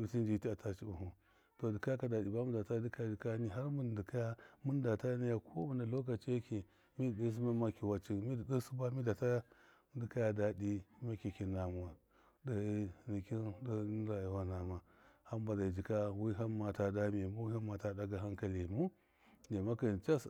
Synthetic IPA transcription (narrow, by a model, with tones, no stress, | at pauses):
bi˨ti˦nd͡ʒi˦ti˦a˨tʰa˦t͡ʃi˦u˨ɦu˨ | to˨di˨ka˦ka˨da˨di˨ba˦mu˦da˨ta˦di˦ka˦ja˨d͡ʒi˨ka˦ni˦ɦa˦ɾmu˦ndi˨ka˦ja˦mu˦n˦da˨ta˦ni˦ja˨kʰo˦mu˨na˨lo˦k̬a˨t͡ʃe˦ki˨ | mi˦ddi˦s̬i˦ma˦ma˦ki˨wa˨t͡ʃi˨mi˦di˨də˦su˦ba˦mi˦da˨ta˦ | di˨ka˦ja˨da˨di˦ma˦ki˨ki˨na˨m˨a˨ | da˨˦ni˨ki˦nda˦n˦a˨ji˨wa˦na˨ma˨ | ha˦m˦ba˨da˨d͡ʒi˨ka˦wi˦ɦa˦nma˨ta˨da˦mi˨mu˦wi˦ha˦ma˨ta˦˨da˦ɡa˨ɦa˦ŋka˨li˨mu˦ | de˨ma˦ka˨t͡ʃa˦s